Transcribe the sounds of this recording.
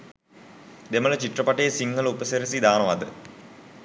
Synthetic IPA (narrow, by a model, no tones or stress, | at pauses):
d̪emələt͡ɕiʈːrəpaʈəjesiŋːəlupəseɾisid̪aːnəʋad̪ə